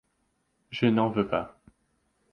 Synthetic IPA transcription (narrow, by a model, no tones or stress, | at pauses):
ʒənɑ̃vøpa̰